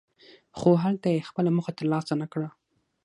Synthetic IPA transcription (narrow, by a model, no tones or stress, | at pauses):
xoɦalt̪ajexpəlaməxat̪əɾlɑsanakɽa